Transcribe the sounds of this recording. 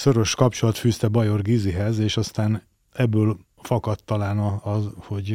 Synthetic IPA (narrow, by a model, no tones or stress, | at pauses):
søɾø̞ʃkɒpt͡ʃo̞lɒt̪fyːst̪ɛbɒjo̞rɡiziɦɛzeːʃɒst̪aːn | ɛbːøːl | fɒkɒt̪ːɒlaːnɒɒzho̞ɟ